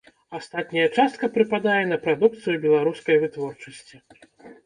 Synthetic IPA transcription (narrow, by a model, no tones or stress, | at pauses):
ast̪at̪nʲɐjɐt͡ʂast̪̚kɐpɾɨpad̪ajɛnɐpɾad̪uk̚t̪sɨjubʲɛlˠaɾuskɐjvɨt̪vɔrt͡ʂɐsʲt͡sʲi